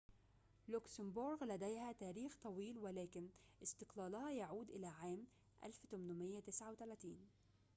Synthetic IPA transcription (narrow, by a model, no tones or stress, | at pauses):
lʊksɪmbʊɾɡlæd̪æjhæt̪æːɾiːxt̪ˤɑwiːlwɪlæːkɪnʔɪst̪ɪqlɑːlʊhɑjaʕuːd̪ʔɪlæʕaːm | ʔa̰lft̪ʊmnʊmɪjːat̪ɪsʕawt̪ælæːt̪iːn